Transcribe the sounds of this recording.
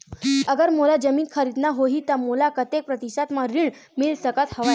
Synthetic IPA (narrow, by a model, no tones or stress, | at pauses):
əɡəɾmolad͡ʑəmiːnkʰəɾid̪naɦoɦit̪əmolakət̪ːek̚pɾət̪iɕat̪maɾiɳmiːlsəkat̪həʋa